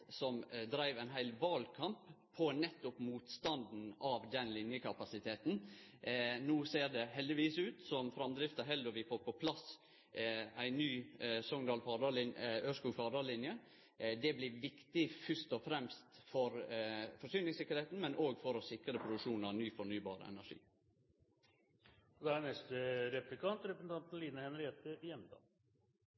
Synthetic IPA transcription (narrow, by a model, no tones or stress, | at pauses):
sɔmd̪ɾæɪʋæɪnɦæɪlʋɑːlkʰɑmpʰː | ɔnɛt̪ːʊpmuːt̪st̪ɑnd̪n̩ɑʋd̪ɛnlɪnjəkʰɑpɑsɪt̪ʰeːt̪n̩ | nuːseːɾd̪ɛhɛld̪ɪʋiːsʉːt̪sɔmfɾɑmd̪ɾɪft̪ɑɦɛld̪ɔʋɪpʰɔpʰɔpʰlɑs | æɪnyːsɔŋd̪ɑːlfɑɖɑːlɪnøːskuːfɑːd̪ɑːlɪnjə | d̪ɛblɪːʋɪkt̪ɪfʏʂt̪ɔfɾɛmst̪fɔɾfɔʂyːnɪŋsɪkːəɾheːt̪n̩mɛnʔoːɡfɔɾɔsɪkɾəpʰɾʊd̪ʉkʂuːnɑnyːfɔɳyːbɑ̰ːɾə̰ɛ̰næʂḭː | ɔd̪ɛænɛst̪əɾɛpɾlɪkʰɑnt̪ɾɛpɾəsn̩t̪ɑnt̪n̩liːnəhɛnɾeːt̪əjɛmt̪ʰɑ̰ː